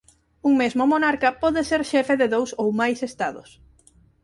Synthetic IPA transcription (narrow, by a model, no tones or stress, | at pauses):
uŋmezmomonaɾkɐpɔðeseɾʃɛfeðɪðowsowmajsest̪aðʊ̰s